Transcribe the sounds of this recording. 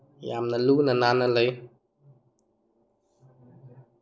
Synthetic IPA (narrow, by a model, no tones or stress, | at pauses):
ja̰mnalunananaləj